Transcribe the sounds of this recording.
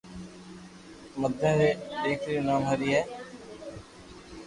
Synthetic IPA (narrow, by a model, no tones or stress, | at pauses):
məd̪ʱẽːɾeːeːkʰɾiːnaːmɦaːɾiːɦɛː